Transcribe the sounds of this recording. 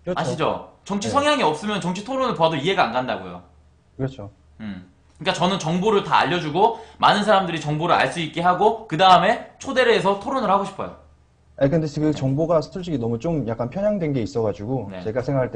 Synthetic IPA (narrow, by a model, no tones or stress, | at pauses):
aɕʰid͡ʑo̰t͡ɕʌŋt͡ɕʰisʰʌŋɦjaŋiʌp̚s͈ɯmjʌnt͡ɕʌŋt͡ɕʰitʰoɾonɯɭpoadoiɦe̞ɡaanɡandaɡojo̰ | kɯɾʌt͡ɕʰo | ɯ | kɯɲik͈at͡ɕʌnɯnt͡ɕʌŋboɾɯɭtaa̰ʎːʌd͡ʑuɡomanɯnsʰaɾamdɯɾit͡ɕʌŋboɾɯɭa̰ɭs͈uik̚k͈eɦaɡokɯdaɯme̞t͡ɕʰode̞ɾeːsʰʌtʰoɾonɯɭhaɡoɕʰi̥pʰʌ̰jo̰ | akɯndeɡɯt͡ɕʌŋboɡasʰuɭɕ͈iɡinʌmut͡ɕ͈omjak͈anpʰjʌɲjaŋdwe̞nɡe̞is͈ʌɣad͡ʑuɡonḛt͡ɕe̞ɡasʰeŋɡakʰaɭt͈e